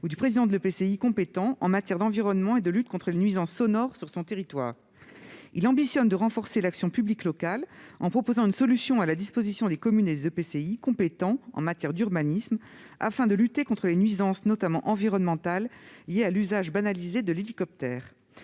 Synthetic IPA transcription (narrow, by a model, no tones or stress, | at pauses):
ud̪ypχezid̪ɑ̃d̪əløpeseikɔ̃pet̪ɑ̃ʔɑ̰̃mat̪jɛʁd̪ɑ̃viʁɔnmɑ̃ed̪əlyt̪̚kɔ̃t̪χəlenɥizɑ̃sːɔnɔʁsyʁsɔ̃t̪eʁit̪wa̰ːʁ | ḭlɑ̃bisjɔnd̪əʁɑ̃fɔʁselaksjɔ̃pybliklɔkalɑ̰̃pχɔpozɑ̃ynsɔlysjɔ̃alad̪ispozisjɔ̃d̪ekɔmyned̪ezøpeseikɔ̃pet̪ɑ̃ɑ̰̃mat̪jɛʁd̪yʁbanism | a̰fɛ̃d̪əlyt̪ekɔ̃t̪χəlenɥizɑ̃snɔt̪amɑ̰̃ʔɑ̃viʁɔnmɑ̃t̪alːijealyzaʒbanalized̪əlelikɔp̚t̪ɛːʁ